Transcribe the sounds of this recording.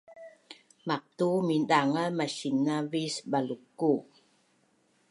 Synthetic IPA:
mak̚t̪umidaŋəmaɕinavisbalukːu

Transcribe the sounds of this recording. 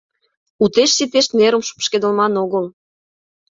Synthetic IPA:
ut̪eʃsit̪eʃneɾəmʃu̥pʃked̪ə̆lmɑnoɣəl

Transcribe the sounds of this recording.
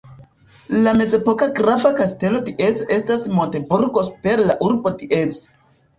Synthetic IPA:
lame̞d͡ze̞po̞kaɡɾafakaste̞lo̞diʔe̞t͡se̞stasmo̞nte̞buɾɡo̞spe̞ɾlaʔuɾbo̞diet͡s

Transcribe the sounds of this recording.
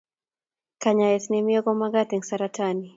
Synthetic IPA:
kaɲaɛt̪nɛmiɔɡɔmaɡat̪iŋsaɾatʰani

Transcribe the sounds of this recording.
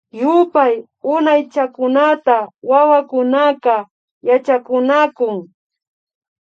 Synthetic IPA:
jʊpaj | ʊnajt͡ʃakʊnat̪awawakʊnaqɑ | jat͡ʃakʊnakʊŋ

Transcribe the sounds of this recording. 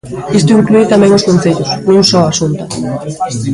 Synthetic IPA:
ist̪ʊiŋkluit̪amẽŋoskõnθejt̪ʊsuŋsɔasunt̪a

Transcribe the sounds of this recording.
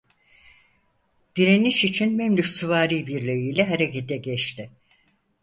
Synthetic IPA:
d̪̥iɾeniʃit͡ʃʰinmɛmlyksuvaːɾiːbiɾlʲøjijlʲɛɦeɾecet̪ɛɟɛt͡ʃt̪ɪ

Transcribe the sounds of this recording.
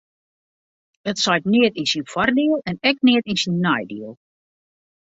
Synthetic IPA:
ətsɔjtnɪətinsinfɔrdiəlˠɛnɛk̚nɪətinsinːajdiəlˠ

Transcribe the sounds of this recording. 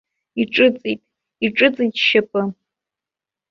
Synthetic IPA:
iʈ͡ʂʼɨt͡sʼitʼ | iʈ͡ʂʼɨt͡sʼitʼʃapʼɨ

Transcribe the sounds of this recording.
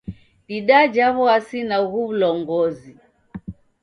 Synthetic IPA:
ɗiɗad͡ʒaβɔasinaɣuβulɔŋɡɔzi

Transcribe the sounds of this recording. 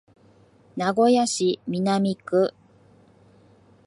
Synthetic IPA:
naɡo̞jaɕimʲinamʲikɯ̟

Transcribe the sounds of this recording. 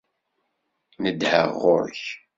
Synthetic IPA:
nəd̪hə̰ʁːo̰ɾç

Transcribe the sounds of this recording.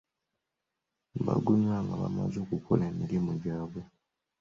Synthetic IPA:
ba̰ɡuɲaŋɡaβa̰mazoːkukoleːmiɾimuɟaːβwe

